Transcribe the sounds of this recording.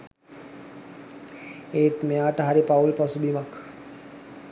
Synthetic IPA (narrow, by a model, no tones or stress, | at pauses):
eːt̪mejaːʈəɦaɾipaulpasubimak